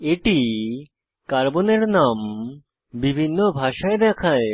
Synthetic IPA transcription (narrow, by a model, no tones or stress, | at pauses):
eʈi | kaɾboneɾnam | bibʱinːobʱaʃaed̪ɛkʰae